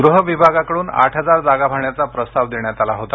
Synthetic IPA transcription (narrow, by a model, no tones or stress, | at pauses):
ɡɾuɦəʋibʱaɡakəɽuːna̰ʈʰɦəd͡zaɾd͡zaɡabʱaɳjat͡sapɾəst̪aʋd̪iɳjat̪alaɦot̪a